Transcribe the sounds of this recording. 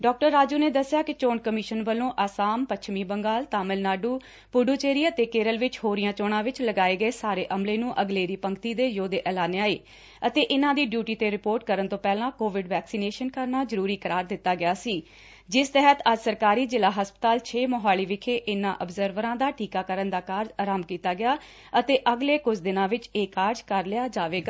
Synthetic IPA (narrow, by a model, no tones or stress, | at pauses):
ɖɔːk̚ʈəɾːaːd͡ʒuːneːd̪əsːjaːkɪt͡ʃoːɳkəmɪʃənʋəlːõːʔaːsaːmpətt͡ʃʰmiːbəŋɡaːlt̪aːmɪlnaːɖuː | pʊɖoːt͡ʃeːɾiːət̪eːkeːɾəlʋɪt͡ʃhoːɾijãːt͡ʃoːɽ̃ãːʋɪt͡ʃləɡaːeːɡəeːsaːɾeːʔəmleːnũːʔəɡleːɾiːpəŋɡt̪iːd̪eːjoːd̪eːʔɛːlaːneaːeː | ət̪eːʔɪnãːd̪iːɖjuːʈiːt̪eːɾɪpoːɾʈ̚kəɾənt̪õːpɛːlãːkoːʋɪɖʋɛːksiːneːʃənkəɾnaːzəɾuːɾiːkəɾaːɾd̪ɪt̪ːaːɡɪjaːsiː | d͡ʒɪst̪ɛɦət̪əd͡ʒsəɾkaːɾiːzɪlaːɦəspət̪aːlt͡ʃʰeːmoːɦaːliːʋɪkʰeːʔɪnːã̰ːʔəbzəɾʋəɾãːd̪aːʈʰiːkaːkəɾənd̪aːkaːɾd͡ʒaːɾaːmkiːt̪aːɡɪjaː | ət̪eːʔəɡleːkʊd͡ʒʰd̪ɪnãːʋɪt͡ʃeːkaːɾd͡ʒkəɾlɪaːd͡ʒaːʋeːɡaː